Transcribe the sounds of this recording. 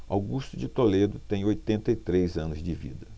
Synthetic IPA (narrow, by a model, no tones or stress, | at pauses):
a̰wɡust̪ʊd͡ʒɪt̪oled̪ʊt̪ẽj̃ojt̪ẽnt̪ɐit̪ɾejzɐ̃nʊzd͡ʒɪvḭd̪ɐ